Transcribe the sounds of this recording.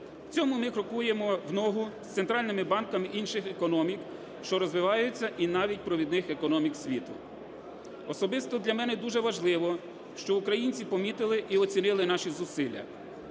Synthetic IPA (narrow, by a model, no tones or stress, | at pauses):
wt͡sʲɔmʊmɪkɾɔkujemɔwnɔɦʊst̪ent̪ɾɑlʲnɪmɪbɑnkɐmɪʔinʃɪxekɔnɔmʲik | ʃt͡ʃɔɾɔzʋɪʋɑjʊt͡sʲːɐʔinɑʋʲit̚ʲpɾɔʋʲid̪nɪxekɔnɔmʲiksʲʋʲit̪ʊ̰ | ɔsɔbɪst̪ɔd̪lʲɐmɛnɛd̪uʒɛʋɐʒlˠɪʋɔ | ʃt͡ʃɔukɾɐjinʲt͡sʲipɔmʲit̪ɪlˠɪʔiɔt͡sʲinɪlˠɪnɑʃizʊsɪlʲːɐ̰